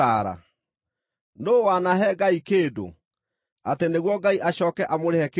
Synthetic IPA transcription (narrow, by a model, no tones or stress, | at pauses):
aɾa̰ | noːwanaɦɛɡaikeːdo̰ | ateneɣwɔɡaiʔaɕɔːkɛʔamoɾehɛke